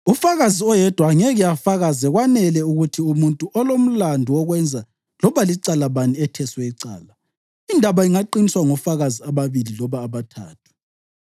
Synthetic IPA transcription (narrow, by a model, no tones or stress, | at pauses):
ufaɣaziɔjɛd̥ʱwaŋɛɣiafaɣazɛɣwanɛlɛuɣutʰiumuntʼuʔɔlom̩landʱuɔɣwɛnd͡zʱa | lɔβaliǀalaβaniɛtʰɛswɛiǀa̰ːla | indʱaβaiŋaǃiniswaŋɔfaɣaziaβaβililɔβaːβatʰa̰ːtʰu̥